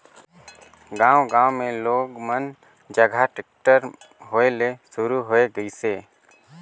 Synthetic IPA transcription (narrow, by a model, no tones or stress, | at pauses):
ɡãːwɡãːõmẽloːɡmən | d͡ʒəɡʱaʈɪk̚ʈəɾ | ɦoːelesʊɾuɦoːeɡəiseː